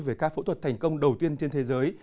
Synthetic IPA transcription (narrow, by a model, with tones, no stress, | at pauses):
veː˧˩kaː˧˥fo̰˧˥t̪ʰwt̚t̪ʰŋ̟kə˧wŋ͡mɗə˨˩wt̪i˧ənt͡ɕe˧nt̪ʰe˨˦zəː˨˦j